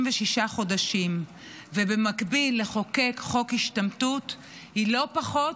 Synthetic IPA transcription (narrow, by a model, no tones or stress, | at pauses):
mveʃiʃaχo̞daʃim | vebe̞makbilːeχo̞ke̞kχo̞khiʃtamtut | hilo̞paχo̞